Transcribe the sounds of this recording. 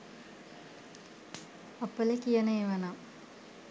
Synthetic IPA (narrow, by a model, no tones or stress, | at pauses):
ɐpːələkijənəeʋana